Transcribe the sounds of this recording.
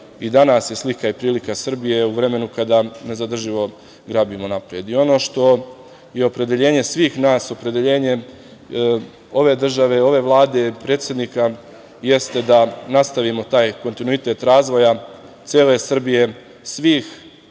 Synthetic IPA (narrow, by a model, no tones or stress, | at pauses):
id̪anasje̞slikaipɾiːlikasr̩bije̞uʋɾe̞me̞nukad̪ane̞zad̪r̩ʒiʋo̞ | ɡɾaːbimo̞napɾije̞d̪io̞no̞ːʃt̪o̞ | je̞o̞pɾe̞d̪e̞ʎe̞ːɲe̞sʋiːxnaːso̞pɾe̞d̪eʎe̞ːɲe̞ | o̞ʋe̞ːd̪r̩ʒaʋe̞o̞ʋe̞ʋlˠaːd̪e̞pɾet̪sjed̪nika | je̞st̪e̞d̪anast̪aʋimo̞t̪aːjko̞nt̪inuit̪e̞t̪ɾaːzʋo̞ja | t̪sjeːle̞sr̩bije̞ | sʋiːx